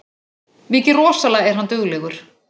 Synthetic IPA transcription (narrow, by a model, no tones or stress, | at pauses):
mɪːcɪrɔːsalaɣɛɾ̥ɦant̪ʏɣlɛɣʏɾ̥